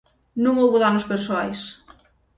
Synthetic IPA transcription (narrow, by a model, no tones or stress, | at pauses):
nũŋowβuðanospeɾsoajs